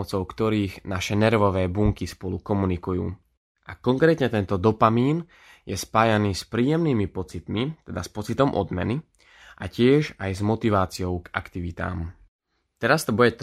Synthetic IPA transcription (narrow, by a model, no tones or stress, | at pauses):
t͡sɔʊkt̪ɔɾiːɣnaʃɛnɛɾʋɔʋɛːbuŋkispɔlukɔmunikujṵː | ʔakɔŋkɾɛːt̪ɲɛt̪ɛnt̪ɔd̪ɔpamiːn | jɛspaːjaniːspɾiːjɛmniːmipɔt͡sit̪mit̪ɛd̪aspɔt͡sit̪ɔmʔɔ̰d̪mɛ̰ni | ʔacɪɛʒajzmɔt̪iʋaːt͡siɔʊɡa̰kt̪iʋit̪a̰ːm | t̪ɛɾast̪ɔbujɛt̪